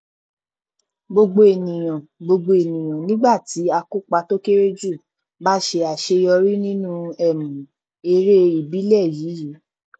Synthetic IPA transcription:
ɡ͡bo˧ɡ͡bo˧e˨nĩ˨j̃ã˨ɡ͡bo˧ɡ͡bo˧e˨nĩ˨j̃ã˨nĩ˦ɡ͡ba˦˨ti˨˦a˧ku˦k͡pa˧to˦ke˦ɾe˦d͡ʒu˦˨ | ba˦ʃe˧a˨ʃe˧jɔ˧ɾi˦nĩ˦nũ˦ɛ˦˨mũ˨ | e˧ɾe˦i˦˨bi˨˦lɛ˦˨ji˨˦ji˨˦

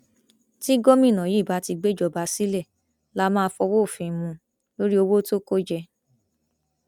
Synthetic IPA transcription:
ti˦ɡɔ˦mĩ˦˨nã˨ji˨˦˨ba˨˦ti˧ɡ͡be˦d͡ʒɔ˧ba˧si˦lɛ˦˨ | la˦mãː˦˧˦fɔ˧wo˦˨fĩ˧mũ˧ | lo˦ɾi˦o˧wo˦to˦ko˦d͡ʒɛ˧

